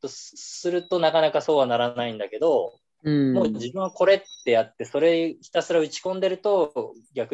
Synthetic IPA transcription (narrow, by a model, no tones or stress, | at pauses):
t̪osɨɾɯ̟t̪o̞nakanakaso̞ːβ̞anaɾaaĩnd̪ake̞d̪o̞ | mo̞ːd͡ʑibɯ̟̃ɰ̃βako̞ɾe̞t̪ːe̞jat̪ːe̞so̞ɾe̞çʲi̥t̪asɨɾaɯ̟t͡ɕi̥kõ̞nd̪e̞ɾɯt̪o̞ɡʲakɯ